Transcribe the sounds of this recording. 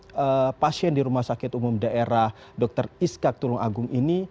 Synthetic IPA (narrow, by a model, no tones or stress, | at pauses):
əpasiɛndiɾumahsakɪt̪umʊmdaʔeɾah | dɔk̚t̪əriskak̚t̪ulʊŋa̰ɡʊŋini